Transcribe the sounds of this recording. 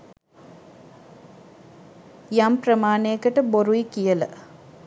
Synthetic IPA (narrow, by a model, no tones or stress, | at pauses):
jamprəmaːnejkəʈəboɾuikijələ̰